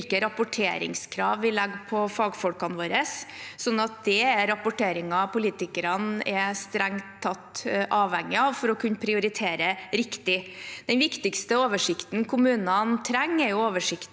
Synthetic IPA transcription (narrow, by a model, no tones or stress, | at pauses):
lkəɾɑpʊʈʰeːɾɪ̰ŋskʰɾɑ̰ːʋʋɪlɛɡːpʰɔfɑːɡfɔlkɑnʋoːɾəssɔnːɑt̪̚d̪̥ɛæɾɑpʊʈʰeːɾɪŋɑpʰʊliːt̪ɪkəɾɑnɛst̪ɾæŋt̪ʰːɑt̪ːʔɑːʋhɛŋːɪɑʋfɔɾɔkʰʉnːəpʰɾɪʊɾɪt̪ʰeːɾəɾɪkt̪ɪd̪̥ɛnʋɪkt̪ɪkst̪əoːʋəʂɪkt̪nkʰʊmʉːnɑnt̪ʰɾæŋːɛɾjʊoːʋəʂɪkt̪